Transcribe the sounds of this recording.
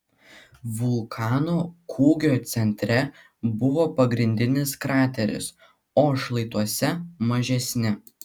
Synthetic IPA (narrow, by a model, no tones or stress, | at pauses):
ʋʊlˠkʰɑːnoːkʰuːɡʲoːt̪sʲɛnʲt̪ʲɾʲɛ | bʊʋoːpɐɡɾʲɪnʲd̪ʲɪnʲɪskɾɑːt̪ʲɛɾʲɪ̰s | oːʃlˠɐɪt̪uɔsʲɛmɐʒʲɛsʲnʲɪ